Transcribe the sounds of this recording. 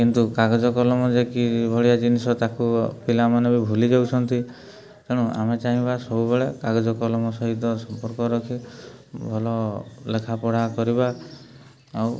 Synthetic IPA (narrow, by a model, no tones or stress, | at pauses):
kint̪ukaɡɔd͡ʒɔkɔlɔmɔd͡ʒekibʱɔɭijad͡ʒinisɔt̪akupilamanebibʱulid͡ʒawt͡ʃʰɔnt̪i | t̪eɽ̃ũʔa̰met͡ʃaɦĩbasɔbubeɭekaɡɔd͡ʒɔkɔlɔmɔsɔɦit̪ɔsɔmpɔɾkɔɾɔkʰibʱɔlɔlekʰapɔɽ̤akɔɾibaː | w